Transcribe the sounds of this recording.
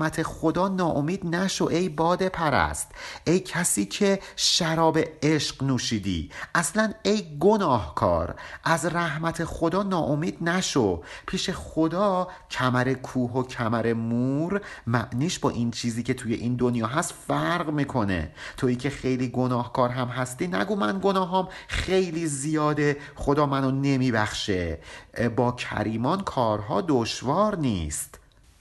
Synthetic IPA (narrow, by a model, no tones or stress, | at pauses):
mæt̪ʰe̞xod̪ɒːnɒːʔo̞miːd̪næʃo̞ʔe̞jbɒːd̪e̞pʰæɾæ̰st̪ʔe̞jcʰæsiːcʰe̞ʃæɾɒːbe̞eʃqnuːʃiːd̪ḭːʔæslæne̞jɡo̞nɒːhkʰɒ̰ːɾʔæzræhmæt̪ʰe̞xo̞d̪ɒːnɒːʔomiːd̪̥̚næʃopʰiːʃe̞xo̞d̪ɒːcʰæmæɾe̞kʰuːɦo̞cʰæmæɾe̞muːɾmæʔniːʃbɒ̰ːʔint͡ʃʰiːziːcʰe̞t̪ʰuːjeʔind̪onjɒːɦæst̪fæɾɣmiːkʰo̞ne̞̰t̪ʰo̞iːcʰe̞xe̞jliːɡo̞nɒːhkʰɒːɾɦæmɦæst̪iːnæ̰ɡuːmænɡo̞nɒːɦɒːmχejliːzijɒːd̪e̞ | χo̞d̪ɒːmænone̞miːbæxʃebɒːcʰæ̰ɾiːmɒːnkʰɒːɾɦɒːd̪oʃvɒːɾnḭːst̪